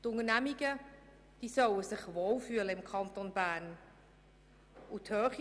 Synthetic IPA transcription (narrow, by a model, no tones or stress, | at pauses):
tʊŋənæmiɡə | d̥iːsœwəsɪχvoːlfyːələɪmkʰɑntonbæːn | ʔuthœːχ